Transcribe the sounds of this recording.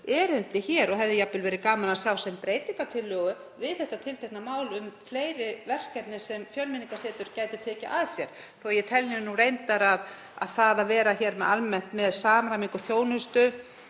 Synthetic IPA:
ɛɾejnt̪ɪçɛːɾɔɦɛvðɪjapːɪlvɛːɾɪkaːmanasjawsɛmpɾeːjt̪iŋkat̪ʰɪlːœːɣʏvɪðθɛht̪at̪ʰɪlt̪ʰejknamaːwlʏmfleːjɾɪvɛr̥cɛt̪nɪsɛmfjœlmɪniŋkasɛːt̪ʏɾcaːjt̪ɪt̪ʰɛːca̰ʔaðsjɛɾ̥ | θuajɛt̪ʰɛlːinurejnt̪aɾað | a̰ðθaðavɛːɾaçɛɾmɛðalmɛn̥t̪mɛðsaːmɾamiŋkʏθjoːwnʏst̪ʏ

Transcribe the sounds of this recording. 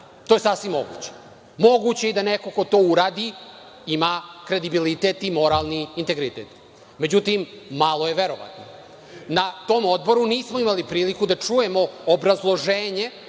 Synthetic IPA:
t̪ojesasʋimːo̞̰ɡṵt͡ɕe̥ | mo̞ɡut͡ɕeid̪aneko̞ko̞t̪o̞ːuɾaːd̪i | imakɾe̞d̪ibilit̪et̪imo̞ɾalˠniːnt̪eɡɾit̪ḛt̪ | me̞d͡ʑut̪im | malˠoje̞ʋeɾo̰ʋa̰t̪no̰ | nat̪o̞ːmo̞d̪bo̞ɾuniːsmoimalipɾiːlikud̪at͡ʂuje̞mo̞obɾazlˠo̞ʒeːɲe̞

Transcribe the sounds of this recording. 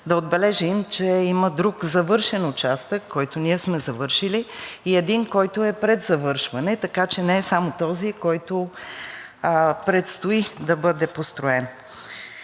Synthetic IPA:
d̪ɐod̪̚bɛlɛʒimt͡ʃɛiməd̪ɾukzɐvɤɾʃɛnʊt͡ʃast̪əkːɔjt̪ʊniɛsmɛzɐvɤɾʃiliːɛd̪inkɔjt̪ʊɛpɾɛd̪zɐvɤɾʃvɐnɛt̪ɐkat͡ʃɛnɛɛsamot̪ɔzikɔjt̪o | pɾɛt̪st̪ʊid̪ɐbɤd̪ɛpost̪ɾʊɛn

